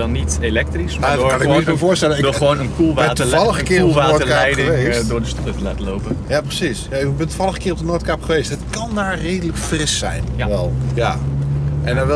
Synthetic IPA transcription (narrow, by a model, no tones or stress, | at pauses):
ɔnitelɛk̚trismakanɪkːsməvoːstɛləɪdʊəʋownənkulˠʋtəvɑlˠəxəkɪːulˠʋaːoəkaɛjdəɪʋedʊːdəstɔtətəla̰ːtəlowpəjaːprəsisjaɪbɛntuvɑlˠəχə̥kɪːrɔp̚dənoːɹtkapχəʋejstətkɑndaːɹrejdələkfrɪsɛ̰jnʋɛlˠja | ʔɛnaʋɛ